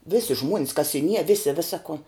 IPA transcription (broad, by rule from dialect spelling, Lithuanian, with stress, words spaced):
ˈʋʲɪsʲɪ ʒmuɔnʲs kɐsʲɪˈnʲiɛ ˈʋʲɪsʲɪ ˈʋʲɪsɐ koː